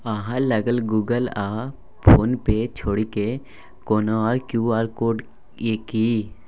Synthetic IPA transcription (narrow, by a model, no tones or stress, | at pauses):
əɦãləɡəlɡuːɡəla | pʰoːnpet͡ʃʰoːɽike | koːnoɔːɾkjuːaːɾkoːɖ | eki